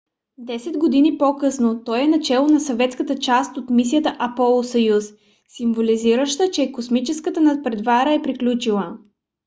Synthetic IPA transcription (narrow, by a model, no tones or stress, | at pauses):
d̪ɛsɛd̪ɡod̪inipokɤsnot̪ɔjɛnɐt͡ʃɛlˠonɐsɐvɛt̪skət̪ət͡ʃast̪ot̪misijət̪əʔɐpɔlˠosɐjus | simvoliziɾəʃt̪ət͡ʃɛkosmit͡ʃɛskət̪ənɐpɾɛd̪vaɾəɛpɾiklʲut͡ʃilˠə